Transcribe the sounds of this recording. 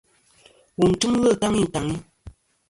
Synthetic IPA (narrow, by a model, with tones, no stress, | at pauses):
wu˨n̩˨tu˦m˦ɣə˦˨ta˦ŋi˦˨ta˨ŋi˦